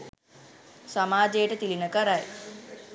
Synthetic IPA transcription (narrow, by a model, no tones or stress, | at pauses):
samaːd͡ʒejʈət̪ilinəkəɾaj